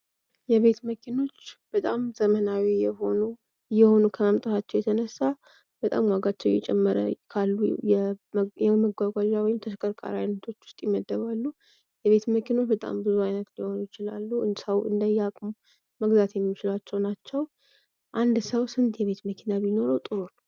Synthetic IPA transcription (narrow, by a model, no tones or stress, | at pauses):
jɛβe̞t̪məkʰino̞t͡ʃːb̥ət̪ʼamzəmənawijɛho̞nu | jːɛho̞nukʰəamt̪ʼɨfat͡ʃːɛwjɛt̪ʰənəsːa | b̥ət̪ʼa̰mwaɡat͡ʃːɛwjɛt͡ʃʼɛmːəɾə̰kʰalːujɛjɛməɡʷaɡʷaʒawɔjɪmt̪ʰəʃkʼəɾkʼa̰ɾa̰jnət̪ʰo̞t͡ʃːwʊ̥st̪ʼjɛməd̪ːəβalːu | jɛβe̞t̪məkʰino̞t͡ʃːbət̪ʼa̰mbɨzuajnət̪liho̞nujɪt͡ʃɪla̰lːusəwɨ̰nd̪əjakʼmu | məɡzat̪jɛmːit͡ʃɪlat͡ʃːɛwnat͡ʃːɛw | ʔand̪səwsɨnt̪jɛβe̞t̪məkʰinaβino̞ɾəwt̪ʼɨɾon